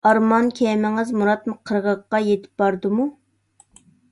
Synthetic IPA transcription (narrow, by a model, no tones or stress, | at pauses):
ɑɾmɑnkʲʰɛmɪŋɨzmuɾɑt̪mɨqʰəɾʁəqːɑjet̪ʰɪ̥p̚bɑɾd̪ɨmu